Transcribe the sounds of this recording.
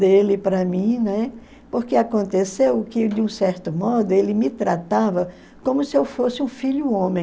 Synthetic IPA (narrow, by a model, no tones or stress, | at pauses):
d̪elɪpɾɐmĩnɛ | poɾkeakõnt̪esewkɪd̪ɪũsɛɾt̪ʊmɔd̪ʊelɪmɪt̪ɾat̪avɐ | kõmʊsɪewfosɪũfiʎʊõmẽ